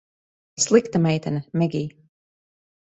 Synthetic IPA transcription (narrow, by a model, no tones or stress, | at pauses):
slˠikt̪amɛjt̪ɛnɐmɛɡʲiː